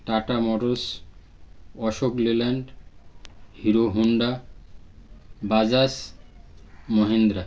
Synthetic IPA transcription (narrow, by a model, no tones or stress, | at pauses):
ʈaʈamɔɾos | ɔʃoklilaɳɖ | hiɾoɦuɳɖa | bad͡ʑas | mɔɦend̪ɾa